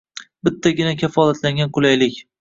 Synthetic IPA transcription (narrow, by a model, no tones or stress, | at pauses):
bɪt̪ʰːaɡʲɪnakʲʰafɒlat̪laŋɡʲanqʰʊlajlɪkʲ